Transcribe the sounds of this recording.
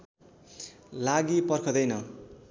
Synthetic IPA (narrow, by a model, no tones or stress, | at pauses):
laɡipʌrkʰʌd̪ʌjnʌ